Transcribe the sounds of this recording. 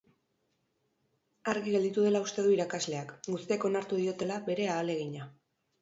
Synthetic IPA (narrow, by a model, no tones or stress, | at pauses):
aɾɣiɣeld̪it̪uð̞e̞laust̪e̞ðuiɾakazle̞akɡust̪iako̞naɾt̪uðio̞t̪e̞laβe̞ɾe̞aːle̞ɣiɲa